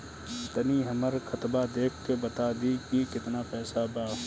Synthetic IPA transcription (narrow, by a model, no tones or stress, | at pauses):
t̪əniɦɐməɾxʰɐt̪bad̪eːkʰkebɐt̪aːd̪ikikɪt̪napɛːsabaː